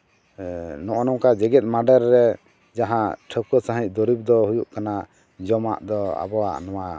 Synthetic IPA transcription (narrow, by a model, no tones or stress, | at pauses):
nɔʔɔnɔ̃kad͡ʒɛɡɛt̪̚ˀmaɖəɾːɛ | d͡ʒaɦãʈʰəkɔsãɦĩc̚ˀd̪ɔɾib̚d̪ɔhujuʔkana | d͡ʒɔma̰ʔd̪ɔa̰bɔwa̰ʔnɔwa